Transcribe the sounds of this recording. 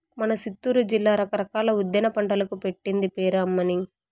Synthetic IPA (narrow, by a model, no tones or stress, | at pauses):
mɐnɐsit̪ːuːɾud͡ʒilːaːɾɐkɐɾɐkaːlɐud̪ːjɐnɐpɐɳʈɐlɐkupe̞ʈːind̪ipeːɾɐmːɐni